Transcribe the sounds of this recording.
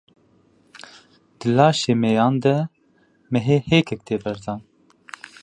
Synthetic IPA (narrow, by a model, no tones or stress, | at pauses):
d̪̥ɨlɑːʃeːmɛjɑːnd̪ɛ | mɛɦeːheːkʰɛk̚t̪ʰeːbɛɾd̪ɑːn